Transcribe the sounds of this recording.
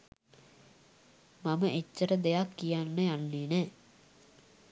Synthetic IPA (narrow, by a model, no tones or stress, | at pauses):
mɐmɐʔet͡ʃːɐɾɐd̪ejakːijanːəjanːeːnɛ